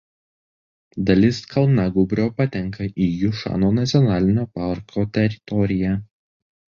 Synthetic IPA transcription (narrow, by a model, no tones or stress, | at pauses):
d̪ɐlʲɪskʰɐlˠnɑɡʊbʲɾʲoːpɐt̪ʲɛŋkɐʔiːjʊʃɑ̰ːnoːnɐt̪sʲɪɔnɑːlʲɪnʲoːpɑɾkʰoːt̪ʲɛɾʲɪt̪ɔɾʲɪjæː